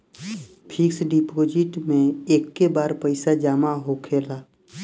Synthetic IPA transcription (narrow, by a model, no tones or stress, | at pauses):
pʰɪksɖipoːd͡ʒɪʈmẽeːkːebaːɾpəɪsad͡ʒaːmaɦokʰeːlaː